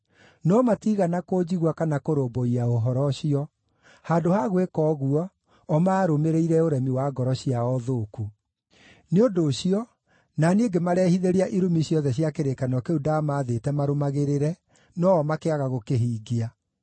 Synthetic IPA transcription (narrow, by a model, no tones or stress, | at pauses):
nɔmatiɣanakoːd͡ʑiɣwakanakoɾoːmboiaoɦɔɾɔɕiɔ | haːdohaɣwekɔːɣuɔː | maːɾomeɾeiɾɛoɾɛmiwaːɡɔɾɔɕiaɔðoːku | neodoɕiɔ | naneːɡemaɾɛhiðeɾiaʔiɾumiɕiɔðɛɕjakeɾekanɔkeudaːmaːðetɛmaɾomaɣeɾeɾɛ | nɔːmakeaɣaɣokeɦiːɡia